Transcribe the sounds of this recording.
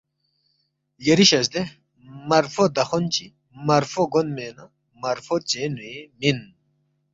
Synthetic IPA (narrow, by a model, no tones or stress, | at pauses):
jɐɾiɕɐsd̪e | mɐɾfod̪ɐxont͡ɕi | mɐɾfoɡonmenɐ | mɐɾfot͡senujemin